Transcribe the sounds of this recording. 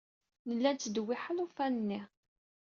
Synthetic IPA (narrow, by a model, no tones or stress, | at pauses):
nəlːænt̪ːəd̪wːiħalufænənːi